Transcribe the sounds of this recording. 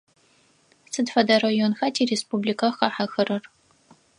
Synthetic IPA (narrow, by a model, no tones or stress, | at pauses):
sɨdfɐdɐrɐjonxɐtʰiːreːspublikʰɐxɐħɐxɐrɐr